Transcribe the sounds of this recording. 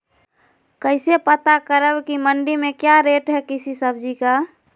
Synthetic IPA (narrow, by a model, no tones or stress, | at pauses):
kəɪsepət̪akəɾəbkiməɳɖimẽkjaɾeʈɦɛkisisəbʱd͡ʒika